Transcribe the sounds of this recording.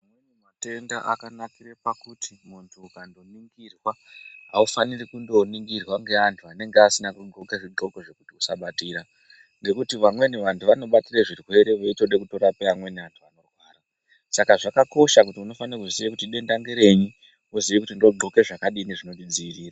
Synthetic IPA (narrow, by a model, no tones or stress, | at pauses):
awenimate̞ndaʔakanakire̞pakutʰimuntʰuːkando̞niŋɡirwaɦaufanirikundo̞niŋɡirwaŋɡe̞antʰuane̞ŋɡeasinakuɡ͡ǃo̞keʐiɡ͡ǃo̞koʐe̞kutiusaɓatiːɾa | ŋɡe̞kutiʋamwe̞niʋantʰuʋano̞ɓatireʐirwe̞ɾe̞ʋoito̞ɗekuto̞ɾapeʋamwe̞niʋantʰuano̞rwaːra | sakaʐakako̞ʃakutiuno̞fanirakuʐisiʋekutiɗe̞ndaŋɡeɾe̞ɲi | uziʋek̬utindo̞ɡ͡ǃo̞ke̞ʐakaɗineʐinontid͡ziʋiriːra